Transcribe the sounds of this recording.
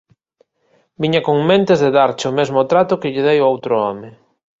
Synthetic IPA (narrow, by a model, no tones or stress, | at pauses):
biɲakoŋmẽnt̪ɪzðeðaɾt͡ʃɪomezmʊt̪ɾat̪ʊkɪʎɪðejʊowt̪ɾʊɔmɪ